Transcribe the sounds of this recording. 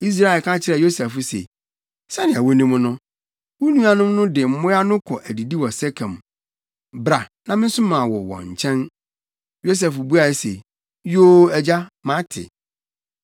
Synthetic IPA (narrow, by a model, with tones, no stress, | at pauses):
i˦s̬ɾa˦˨ɪ˨kʰã˦t͡ɕʰɪ˦ɾɛ˨jo˦sɛ˨fʊ˦sḛ˨ | sɛ˦nɪ̃˨æ˨wo˦nũ˦m̃˦nʊ̃˦ | wu˦nũ˦a˦nʊ̃˦mnʊ̃˦dɪ˨m̩˦mʊ̃˦a˦nʊ̃˦kʰɔ˨ʔæ˨di˨di˦wɔ˨sɛ˦kʰã˨m˨ | bɾa˨nã˨mɪ̃˦n̩˦sʊ˦mã˨wɔ˨wɔ̰̃˨ɲ̩˨t͡ɕʰɛ̃˦n | jo˦s̬ɛ˨fbu˦a˨˦se˨ | joː˦æ˨d͡ʑa˦mã˦tʰɪ̰˨